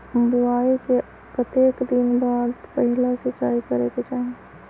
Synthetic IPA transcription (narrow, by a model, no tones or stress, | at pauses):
bʊaːike | pɾət̪eːkd̪ɪnbaːd̪pəɦɪlasɪt͡ʃaːikɐɾeket͡ʃaːɦẽ